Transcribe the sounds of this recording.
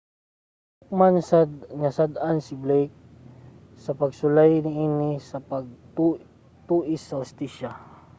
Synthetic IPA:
t̪ʊk̚mansadŋasad̪ansɪblɛjk̚ | sɐpaɡsʊlajnɪiːnɪsapaɡ̚ | t̪uːʔɪsːɐhʊst̪iʃa

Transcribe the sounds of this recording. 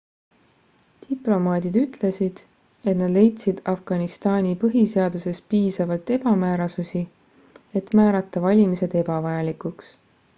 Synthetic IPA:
t̪iplo̞mɑːd̪id̪yt̪ˑle̞sid̪̥ | e̞t̪nɑd̪le̞jt̪sid̪̥ɑfɡ̥ɑnist̪ɑːnʲipɤɦise̞ɑd̪use̞spiːsɑvɑlt̪e̞b̥ɑmæːɾɑsusi | e̞t̪mæːɾɑt̪ːˑɑvɑlʲimise̞d̪̥e̞bɑvɑjɑlikuks

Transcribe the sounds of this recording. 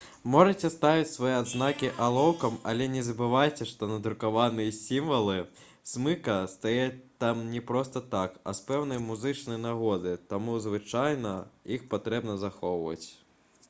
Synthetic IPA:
mɔʐɐt͡sʲɛst̪avʲit͡sʲsvɐjɛad̪znakʲiʔalˠɔwkɐmɐ̰lʲɛnʲɛzɐbɨvajt͡sʲɛʂt̪ɔnɐd̪ɾukavanɨjɐsʲimvɐlˠɨ | smɨkɐst̪ajɛt̪amnʲɛpɾɔst̪ɐt̪akɐ̰spɛwn̪ɐjmuzɨt͡ʂnɐjɐnaɣɔd̪ɨt̪amuzvɨt͡ʂajnɐixpat̪ɾɛbnɐzaxɔwvɐ̰t͡sʲ

